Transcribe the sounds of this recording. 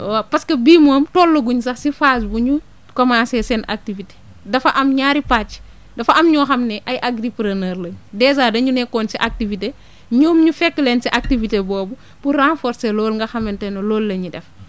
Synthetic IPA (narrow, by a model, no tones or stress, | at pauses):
wapɐskɐbiːmɔːmtɔlːɐɡuɲsɐxsifasbuɲu | kɔmãsɛsɛna̰k̚tivite̥ | dɐfɐʔɐmɲaːɾipat͡ʃː | dɐfɐʔɐmɲɔːxɐmnɛʔɐjʔaɡɾipɾɐnɐːɾlɐɲdɛːzaːdɐɲunɛkːɔːnsiʔak̚tivite | ɲɔːmɲufɛkːlɛːnsiʔak̚tivitebɔːbu | purãnfɔɾselɔːlŋɡɐxɐmɛntɛnɐlɔːlːɐɲidɛf